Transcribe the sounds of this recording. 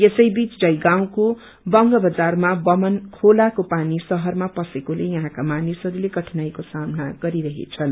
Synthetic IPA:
esʌjbit͡sd͡zʌjɡaw̃ko | bʌŋɡʌbʌd͡zarmabʌmʌnkʰolakopanisʌɦʌrmapʌsekolejʌɦãkamanisɦʌɾuleɡʌʈʰnajkosamnaɡʌɾiɾʌɦḛt͡sʰʌn

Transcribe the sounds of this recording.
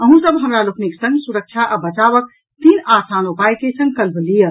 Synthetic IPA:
əɦũsəbɦəmɾalokniksə̃ŋɡsuɾək̚t͡ʃʰaʔabət͡ʃaβək | t̪inasanopajkesə̃ŋɡ̚kəlblijə

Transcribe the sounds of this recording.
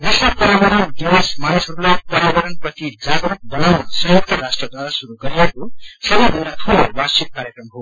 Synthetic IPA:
nesnʌlpʌɾibʌɾʌndinesmanisɦʌɾulajpʌɾibʌɾʌnprʌt̪id͡zaɡɾuk̚bʌnawnʌsʌɦjok̚t̪ʌrasʈrʌd̪waɾasuɾuɡʌɾijekosʌbʌjbʱʌndat̪ʰulobait̪̚kaɾjekrʌmɦo

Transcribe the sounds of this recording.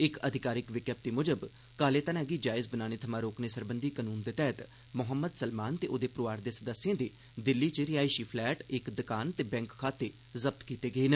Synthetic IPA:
ɪkəd̪ʱɪkaːɾɪkʋɪkjəp̚t̪iːmʊd͡ʒəb | kaːleːt̪ənaːɡiːd͡ʒaːɪzbənaːñeːt̪ʰəmãːɾoːkneːsəɾbənd̪iːkənuːnd̪eːt̪ɛːt̪ | mʊɦəmːəd̪səlmaːnt̪eːʔoːd̪eːpɾoʋaːɾd̪eːsəd̪əsːjãːd̪eː | d̪ɪlːiːt͡ʃəɾɪjaːiʃiːpʰlɛːʈɪkd̪əkaːnt̪eːbɛ̃ːŋkkʰːaːt̪eː | zəb̚t̪kiːt̪eːɡəeːn

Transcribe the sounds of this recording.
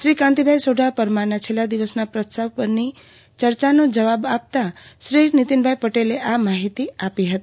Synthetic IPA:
ʃɾikãnt̪ibʱajsoɖʱapəɾmaɾnat͡ʃʰelːad̪iʋəsnapɾətsaʋpəɾni | t͡ʃəɾt͡ʃanod͡ʒəʋabap̚t̪aʃɾinit̪inbʱajpəʈeleʔamaɦit̪iapiɦət̪ii

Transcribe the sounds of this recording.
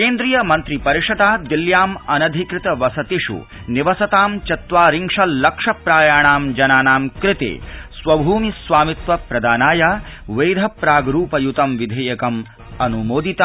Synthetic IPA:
keːnd̪ɾijɐmɐnt̪ɾipɐɾiʂɐd̪aːd̪iljaːmɐnɐd̪ʱikɾɪt̪ɐʋɐsɐt̪iʂṵ | niʋɐsɐt̪aːmt͡ʃɐt̪ʋaːɾiŋʂɐlɐkʂɐpɾaːjaːɳaːmd͡ʒɐnaːnaːmkɾɪt̪ḛːsʋɐbʱuːmisʋaːmit̪ʋɐpɾɐd̪aːnaːjaʋeːd̪ʱɐpɾaːɡɾuːpɐjut̪ɐmʋid̪ʱeːjɐkɐm | ɐnumoːd̪it̪a

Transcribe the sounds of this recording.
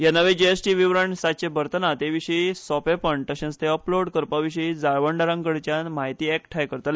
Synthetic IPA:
janəʋed͡ʑeesʈiʋiʋɾəɳsat͡ɕebəɾt̪ənat̪eʋiɕəisɔpepəɳt̪əɕẽst̪eəploɽkəɾpaʋiɕ̬əid͡zaɭʋəɳɖaɾãŋkəɽt͡ɕjanmaɦit̪iːɛkʈʰajkəɾt̪al

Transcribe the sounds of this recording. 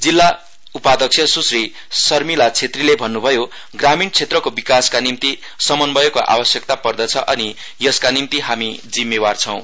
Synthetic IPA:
d͡zilːa | upad̪ʌk̚sʰjʌsusri | sʌrmilat͡sʰet̪rilebʱʌnːubʱʌjo | ɡramint͡sʰet̪rʌkobikaskanimt̪i | sʌmʌnbʌjokoʔa̰bʌsjʌk̚t̪apʌrd̪ʌt͡sʰʌʔʌni | jʌskanimt̪iɦamid͡zimːebart͡sʰʌw̃

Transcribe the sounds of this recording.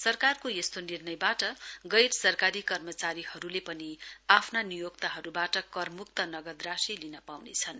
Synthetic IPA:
sʌrkarkojest̪onirnʌjbaʈʌɡʌjɾsʌrkaɾikʌrmʌt͡saɾihʌɾulepʌniapʰnanijok̚t̪aɦʌɾubaʈʌkʌrmuk̚t̪ʌnʌɡʌd̪rasilinʌpawnet͡sʰʌn

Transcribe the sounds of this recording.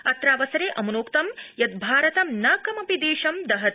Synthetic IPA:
ɐt̪ɾaːʋɐsɐɾeːʔɐmɐnoːkt̪ɐmjɐt̪̚bʱaːɾɐt̪ɐmnɐːkɐmɐpid̪eːʃɐmd̪ɐɦɐt̪̚

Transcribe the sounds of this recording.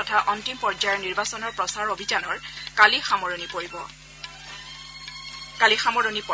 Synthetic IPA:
ɔtʰaʔɔntimpɔɹd͡ʒajɔɹniɹbasɔnɔɹpɹɔsaɔɹobʱid͡ʒanɔɹkalixamɔɹonipoɹibɔ | kalixamɔɹonipɔ

